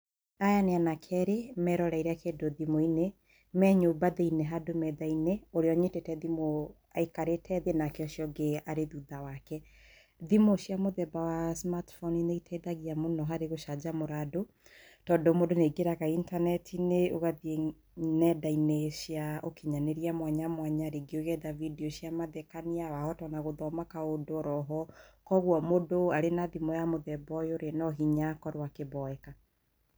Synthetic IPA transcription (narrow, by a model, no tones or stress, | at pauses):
ajaneanakʰɛɾemɛɾɔɾaiɾeakedoðimoine | mɛɲobaðeineɦadomɛðaineoɾeɔɲetetɛðimo | aikaɾetʰɛðenakeɔʃjɔɡeaɾeðuðawakɛ | ðimoɕijamoðɛbawasmatfɔnineitʰɛðaɣiamonɔɦaɾeɣoʃad͡ʒamoɾado | tɔːdomodoneɡeɾaɣaintanɛtʰineoɣaðie | nɛdaineɕiaokiɲaneɾiamwaɲamwaɲaɾeɡioɣɛdavidioɕiamaðɛkaniawahɔtɔnaɣoðɔmakaodoɾɔɦɔkɔɣwɔmodoaɾenaðimɔjamoðɛbɔjoɾenɔɦiɲakɔɾwakebɔɛka